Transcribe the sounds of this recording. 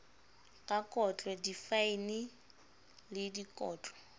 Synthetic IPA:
kʼakʼɔt͡ɬʼwɔdifainɪ | lɪdikʼɔːt͡ɬʼɔ̥

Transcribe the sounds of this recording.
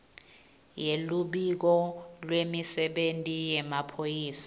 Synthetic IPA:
jeluɓik̬ɔlwemisɛɓentʼijɛmapʰojiːsḁ

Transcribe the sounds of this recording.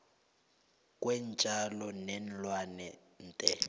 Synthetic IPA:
kʼwɛn̩t͡ʃʼalɔnɛn̩lwanɛ | n̩ːtʼɛ

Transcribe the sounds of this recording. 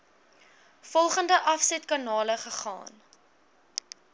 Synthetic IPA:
fɔlˠχəndəʔɐfsɛtkɑnɑːləχəχɑ̰ːn

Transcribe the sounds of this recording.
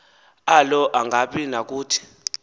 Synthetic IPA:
alɔʔaŋɡʱaɓinak̬uːtʰi̥

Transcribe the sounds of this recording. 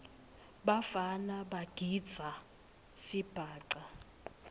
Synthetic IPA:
ɓafanaɓaɡ̥ʱid̥d͡z̥ʱa | sib̥ʱaːǀa

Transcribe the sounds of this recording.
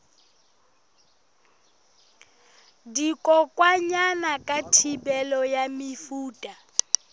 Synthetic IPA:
dikʼɔkʼwaɲanakʼatʰibɛlɔjamifuːtʼa

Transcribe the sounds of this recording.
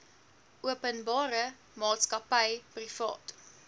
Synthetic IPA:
ʔuəpənbɑːɾə | mɑːtskɐpəjprifɑ̰ːt

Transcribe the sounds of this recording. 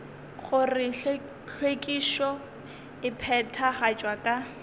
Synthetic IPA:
χʊrɪ | ɬʰwekʼiʃɔ | ɪpʰɛtʰaχat͡ʃʼwakʼa

